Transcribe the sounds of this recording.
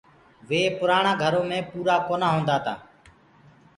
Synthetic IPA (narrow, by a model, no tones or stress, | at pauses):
ʋeːpʊɾaːɳãːɡʱəɾoːmẽːpuːɾaːkoːnaːɦõːnd̪aːt̪a̰ː